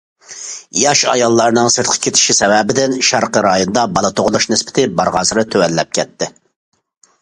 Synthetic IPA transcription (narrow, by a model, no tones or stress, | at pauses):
jɑʃɑ̰jɑlˠːɑɾnɨŋsɨɾt̪̚qʰə̥kʲʰet̪ʰɪ̥ʃisɛwɛbɪd̪ɪnʃɑɾqəɾɑjonɨd̪ɑbɑlˠɨt̪ʰoʁʊlˠʊʃnɪspɪ̥t̪ʰɪbɑɾʁɑːsɨɾɨt̪ʰøwɛlːɛp̚kʲʰɛt̪ʰːɪ